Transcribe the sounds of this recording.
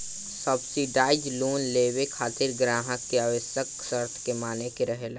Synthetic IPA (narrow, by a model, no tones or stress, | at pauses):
səbsiɖaːɪd͡ʒluːnleːwekʰaːt̪ɪɾɡɾaːɦəkːeaːʋəsjəksəɾt̪ʰkemaːnekeɾəɦel